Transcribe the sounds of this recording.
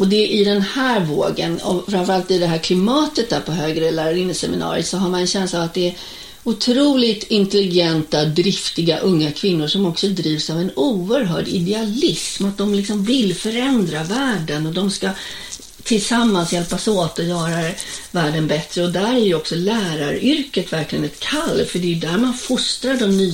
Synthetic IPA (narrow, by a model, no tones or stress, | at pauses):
ɔd̪ɛʔɪd̪ɛnhæːɾvoːɡənɔfɾamfœɾalt̪ɪd̪ɛɦæːɾkʰlɪmɑːt̪ət̪̚d̪æːɾpʰɔɦøːɡɾəlæːɾaɾɪnːəsɛmɪnɑ̰ːɾɪ̰ət̪sɔɦaɾmanɛnɕɛnslaːvat̪̚d̪ɛːɾ | ʊt̪ʰɾuːlɪɡt̪ɪnt̪ɛlɪɡɛnt̪ad̪ɾɪft̪ɪɡaʔɵŋːakʰvɪnːʊʂɔmɔksɔd̪ɾiːvsavɛnuːəɾɦœːɖɪ̰d̪ɛalɪsmat̪̚d̪ɔmlɪksɔmvɪlːfœɾɛnd̪ɾavæːɖənɔd̪ɔmska | t̪ʰɪlsamːansjɛlpasoːt̪ɔjœːɾavæːɖənbɛt̪ɾəɔd̪æɾæɾjɵɔksɔlæːɾaɾʏɾkət̪væɾklɪɡənɛt̪kʰalːfœɖɛjd̪æɾmanfʊst̪ɾaɖɔmnyː